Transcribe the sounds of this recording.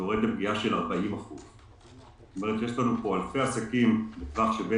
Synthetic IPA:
oʁe̞d̪lep̚ɡiaʃe̞laʁbaimaχuz | ztome̞ʁet̪je̞ʃlanupo̞alfe̞asakimbefaχʃebe

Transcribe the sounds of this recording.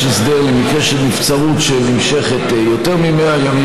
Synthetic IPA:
esd̪eʁlemikeʃetnift͡saʁut̪ʃelnimʃe̞χet̪ | jo̞t̪e̞ʁmimeajami

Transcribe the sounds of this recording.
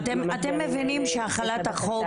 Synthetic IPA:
t̪emat̪emːevinimʃeaχalat̪haχo̞

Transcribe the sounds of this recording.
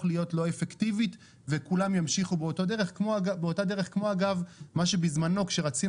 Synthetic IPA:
χlijo̞tlo̞efektivit | ve̞kulamjamʃiχubeoto̞de̞ʁeχkmoabeotade̞ʁe̞χkmo̞aɡavmaʃebizmano̞kʃe̞ʁat͡si

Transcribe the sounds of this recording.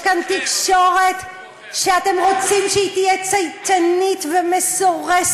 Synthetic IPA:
kant̪ikʃoʁet̪ | ʃeat̪emʁot͡simʃeit̪ijɛt͡sajtanit̪vemesoʁes

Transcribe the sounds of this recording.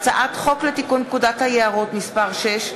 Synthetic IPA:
t͡saʔat̪χo̞klet̪ikun̚kud̪at̪hajeaʁot̪mispaʁʃeʃ

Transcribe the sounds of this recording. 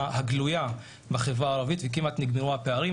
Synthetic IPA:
haɡluja | baχevʁaːʁavit̪vek̬imat̪niɡmeʁuhapeaʁi

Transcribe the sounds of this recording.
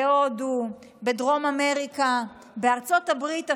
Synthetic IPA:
odu | bedʁo̞mame̞ʁika | beaʁt͡so̞thabʁita

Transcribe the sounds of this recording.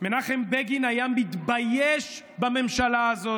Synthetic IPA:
menaχembeɡinajamit̪bajeʃ | bame̞mʃalaːzo

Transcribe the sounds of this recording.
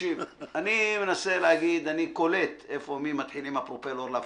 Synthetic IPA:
ivanimenase̞leaɡid̪aniko̞le̞t̪e̞fo̞mimat̪ħilimapʁopeloʁlaa

